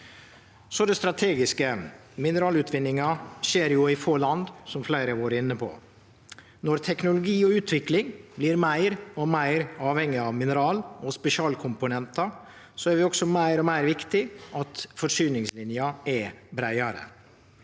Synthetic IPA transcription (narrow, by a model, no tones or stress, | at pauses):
sɔd̪ɛst̪ɾɑt̪ʰeːɡɪskə | mɪnəɾɑːlʉt̪ʰʋɪnːɪŋɑʃeːɾjʊɪfoːɭɑnd̪sɔmflæɪɾəʋoːɾɪnːəpʰɔ̰ | nɔɾt̪ʰɛknʊlʊɡiːɔʉːt̪ʰʋɪklɪŋblɪɾmæɪɾɔmæɪɾɑːʋhɛŋɪɑʋmɪnəɾɑːlɔspɛʃɪɑːlkʰʊmpʊnɛnt̪ɑ | sɔæɾʋɪɔɡsɔmæɪɾɔmæɪɾʋɪkt̪ɪʔɑt̪fɔʂyːnɪŋslɪnjɑɛbɾæɪɑɾə̰